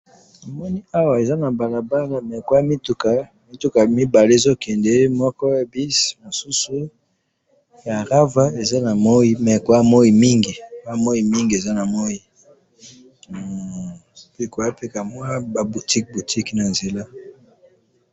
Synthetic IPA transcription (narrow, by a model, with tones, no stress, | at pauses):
e˨mɔ˦ni˦a˦wa˨e˨za˦na˨ba˨la˨ba˦la˨mɛ˨kwa˦mi˦tu˨ka˦ | mi˦tu˦ka˨mi˦ba˨le˦e˨zo˦kɛ˨ndɛ˦mɔ˦kɔ˦e˦bi˦smo˨su˦su˦ | ja˨ʁa˦va˦e˨za˦na˨mo˦i˦mɛ˨kwa˦mo˦i˨mi˦ŋɡi˨kwa˦mo˦i˨mi˦ŋɡi˨e˨za˦na˨mo˦i˦ | pe˦kwa˦pe˦ka˨mwa˦ba˨bu˨tʰi˦k̚bu˨tʰi˦kna˨nze˨la˦